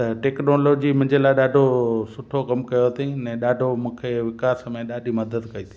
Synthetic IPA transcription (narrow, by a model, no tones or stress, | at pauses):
t̪ɐʈeːknoːloːd͡ʑimʊ̃ɦɪ̃ɲd͡ʑelaːɪɗaːɖʱosʊʈʰokɐmkɐjot̪ʰĩnɛ̃ːɗaːɖʱomũːkʰeʋɪkaːsmẽɗaːɖʱimɐd̪əd̪kɐit̪ʰi̥